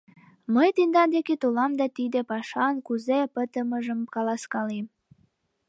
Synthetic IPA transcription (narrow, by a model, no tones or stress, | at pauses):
məjt̪end̪ɑnd̪eket̪olɑmd̪ɑt̪id̪epɑʃɑnkuzepət̪əməʒəmkɑlɑskɑlem